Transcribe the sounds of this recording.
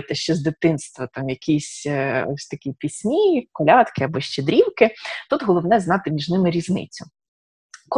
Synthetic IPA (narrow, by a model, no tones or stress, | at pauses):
t̪ɛʃt͡ʃɛzd̪ɪt̪ɪnst̪ʋɐt̪ɑmjɐkʲʰisʲɔ̰sʲt̪ɐkʲipʲisʲmʲikɔlʲɑt̪kɪɐbɔʃt͡ʃed̪ɾʲiwkɪt̪ut̪ɦɔlˠɔwnɛznɑt̪ɪmʲiʒnɪmɪɾʲiznɪ̰t͡sʲʊ | kɔ